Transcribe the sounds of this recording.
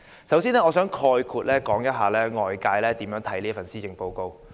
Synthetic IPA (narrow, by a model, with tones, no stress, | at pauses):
sɐ˨˥wsiː˥nɛː˥ɔː˨˧sœː˨˥ŋkʰɔː˧jkʰuː˨˧t̚lɛː˥kɔː˨˥ŋjɐ˥t̚ɦaː˨˩lɛː˥ŋɔː˨jkaː˧jlɛː˥t̪iː˨˥mjœː˨˥ŋt̪ʰɐ˨˥jliː˥fɐ˨˩nsiː˥t͡ɕɪ˨ŋpo˧wko˧w